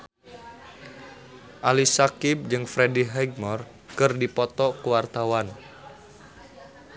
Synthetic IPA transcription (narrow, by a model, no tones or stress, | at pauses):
ʔalisakib̚d͡ʒɨŋfɾediɦɛɡ̚mɔr | kɨrdipɔt̪ɔkuwart̪awan